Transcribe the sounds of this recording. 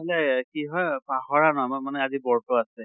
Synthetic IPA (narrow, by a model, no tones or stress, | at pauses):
ɛlɛkiɦɔjpaɦɔɹanɔɦɔjamanɛazibɔɹtɔasɛ